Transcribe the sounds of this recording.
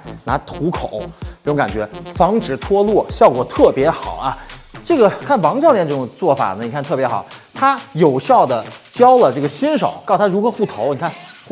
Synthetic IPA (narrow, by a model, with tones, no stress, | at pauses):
na̰˧˥t̪ʰu˧˥kʰo˨˩˦ʊ˥˩ʈ͡ʂʊ˧˥ŋka˨˩nt͡ɕɥɛ˧˥fɑ˧˥ŋʈ͡ʂɻ̩˨˩t̪ʰwɔ˥lwɔ˥˩ɕjɑ˥˩ʊkwɔ˨˩t̪ʰɤ˥˩pjɛ˧˥xɑ˨˩˦ʊɐ˧ʈ͡ʂɤ˥˩ɡə˩kʰa˥˩nwɑ˧˥ŋt͡ɕjljɛ˥˧nʈ͡ʂɤ˥˩ʊ˨˩ŋt͡swɔ˥˩fa̰˨˩nə˦ni˨˩kʰa˥˧nt̪ʰɤ˥˩pjɛ˧˥xɑ˨˩˦t̪ʰa˥jo˨˩ʊɕjɑ˥˩ʊd̪ə˩t͡ɕjɑ˥ʊlə˨ʈ͡ʂɤ˥˩ɡə˩ɕi˥nʂo̰˨˩˦ʊkɑ˥˩ʊt̪ʰa˥ɻu˧˥xɤ˧˥xu˥˩t̪ʰo˧˥ʊni˨˩kʰa˥˩n˥